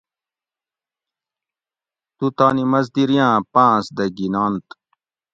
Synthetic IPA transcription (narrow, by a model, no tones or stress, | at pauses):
t̪ut̪aːnimɐzd̪iɾjãːpãːsd̪ɐɡinaːnt̪